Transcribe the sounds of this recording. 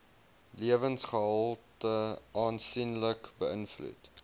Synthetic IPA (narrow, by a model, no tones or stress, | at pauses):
liəvənsχəɦəlˠtəɑːnsinləkbəʔənflṵt